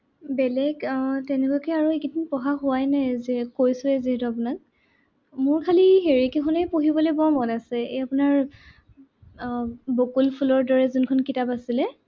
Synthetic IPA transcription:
bɛlɛɡtɛnɛkakɛaɹuekitʰinpɔɦaxʊwajnɛzɛkojsʊɛziɦɛtuap̬ʊnak̚ | mʊɹkʰaliɦeɹikixɔnɛpoɦibɔlejbɔmɔnasɛejapʊnaɹ | bokulpʰulɔɹdɔɹɛzunkʰɔnkitapasilɛ

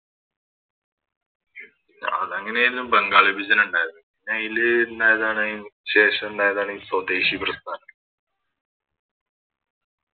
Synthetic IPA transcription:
ɐ̰ðɐŋːɐneɾinːumbɐŋɡaːɭibʱid͡ʑɐnuɳɖaːjɐðɐŋːɐneɐjilɨendaːjɐðaːɳɨɕe̞ːɕɐmeɳɖaːjɐðaːɳisɐwd̪eːɕiprɐst̪ʰaːnɐm

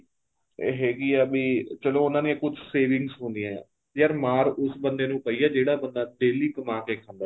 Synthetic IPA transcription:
eːɦɛːɡiːabiːt͡ʃəloːʊnãːneẽkʊd͡ʒseːʋɪ̃ŋɡsɦʊ̃nd̪ɪjãːã̰ː | jaːɾmaːɾʊsbənd̪eːnũːpəiːaːd͡ʒeːɽaːbənd̪aːd̪eːliːkəmãːkeːkʰə̃nd̪a

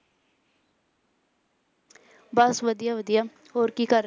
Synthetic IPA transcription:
bəsʋəd̪ijaːʋəd̪ijaː | ɦoːɾkiːkəɾ

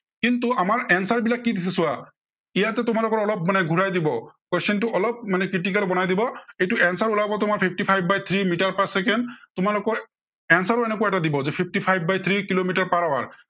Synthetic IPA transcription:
kintuamaɹɛnsaɹbilakːidis̬ɛsʊwa | ijatɛtʊmalʊkɔɹɔlɔp̚manɛɡʱuɹajdibɔkwɛsɔntʊʔɔlɔp̚manɛkɹitikalbɔnajdibɔejtʊɛnsaɹulabɔtʊmaɹpʰipʰtipʰajb̚ʱbajt̪ʰɹimitaɹpasɛkɛntʊmalʊkɔɹ | ɛnsaɹɔɛnɛkʊaɛtadibɔzɛpʰip̚ʰtipʰajb̚ːajt̪ʰɹikilomitaɹpaɹawa̰ɹ

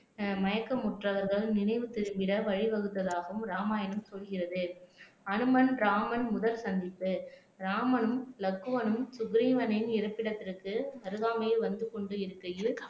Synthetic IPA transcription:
mɐjɐkːɐmʊʈrɐʋɐɾɣɐɭnɪnɐɪʋɯt̪ɪɾɯmbɪɽɐʋɐɻɪʋɐɣɯt̪ːɐðaːɣɐɯmɾaːmaːjɐnɯmsɔlɣɪrɐðɯ | ɐnɯmɐnɾaːmɐnmʊðɐlsɐnd̪ɪpːɯ | ɾaːmɐnɯmlɐkːɯʋɐnɯmsʊɡɾiːʋɐnɪnɪɾɐpːɪɽɐt̪ːɪrkːɯɐɾɯɣaːmɐjɐʋɐnd̪ɯkɔɳɖɯɪɾɯkːɐjɯ

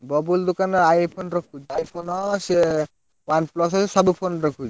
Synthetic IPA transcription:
bɔbuld̪okanɔɾajpʰonɾɔkʰud͡ʒajpʰonɔse | wanplɔs̬ɔssɔbupʰonɾɔkʰud͡ʒ

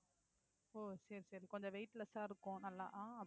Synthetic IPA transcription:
oːsɐɾisɐɾikɔɲd͡ʒɔʋɛɪʈlɐsaːɪɾɯkːʊ̃nɐlːa̰ːʔãːɐ

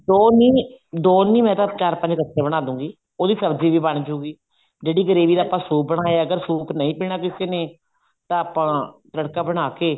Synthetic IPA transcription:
d̪oːniːd̪oːnĩːmɛ̃ːt̪ãːt͡ʃaːɾpəɲd͡ʒkət̪ʰːeːbəɽ̃aːd̪ũːɡiː | oːd̪iːsəbd͡ʒiːʋiːbəɳd͡ʒuːɡiː | d͡ʒeːɽiːɡəɾeːʋiːd̪aːpãːsuːp̚bəɽ̃aːeaəɡəɾsuːknəĩːpiːɳ̃aːkɪseːneː | t̪ãːpãːtəɽkaːbəɽ̃aːkeː

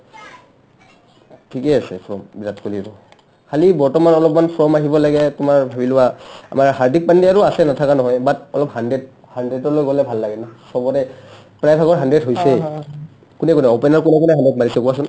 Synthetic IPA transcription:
tʰikɛasɛ̰pʰɹɔmbizatkolibɔ | kalibɔɹtɔmanɔlɔp̚manpʰɹɔmaɦibɔlaɡɛtʊmaɹbʱabilʊwaa̰maɹɦaɹdik̚pandiaɹuasɛnatʰakanɔɦɔjbatɔlɔp̚handɹɛt | handedɔɹlojɡolɛbʱalːaɡɛnasɔbɔtɛ | pɹajbʱaɡɔɹɦandɹetɦojsɛ | kunɛkunɛɔpɛnaɹkunɛkunɛɦandɹet̚maɹisɛkɔwasʊn

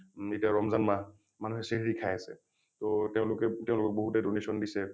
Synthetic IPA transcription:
etiaɹɔmzanma | manuɦɛseɹiɹikʰajasɛ̰ | tɔtɛʊ̃lʊkɛteʊ̃lʊkɔk̚boɦutedonesɔndisɛ

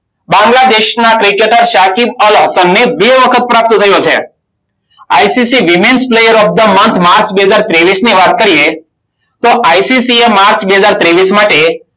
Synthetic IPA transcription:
bãŋɡlad̪eʃnakɾikeʈəɾʃakimələɦsənːebeʋəkʰət̪̚pɾap̚t̪t̪ʰəjot͡ʃʰe | a̰jsisiʋimensplejəɾɔfd̪əmənt̪ʰmaɾt͡ʃbeɦəzaɾt̪ɾeʋisniʋat̪̚kəɾije | t̪oʔajsisiemaɾt͡ʃbeɦəzaɾt̪ɾeʋismaʈe

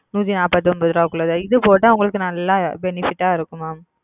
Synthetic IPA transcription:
nuːt̪ːinaːpɐt̪ːɯɔmbɐðɯɾaːkːɯɭɐðɐɪðɯpoːʈːãʊŋɡɐɭɯkːɯnɐlːãːbɛnɪfɪʈːaːɪɾɯkːɯmaːm

